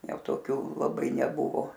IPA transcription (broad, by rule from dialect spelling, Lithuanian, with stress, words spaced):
ˈjɛʊ ˈtoːkʲuː lˠɐˈbɐɪ nʲɛˈbʊʋoː